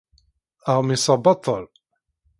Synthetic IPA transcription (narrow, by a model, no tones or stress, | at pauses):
aʁmisˤɑbɑt̪ˤːəl